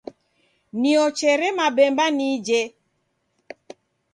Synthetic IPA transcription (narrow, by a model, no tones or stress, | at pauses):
niɔt͡ʃɛɾɛmabɛmbanid͡ʒe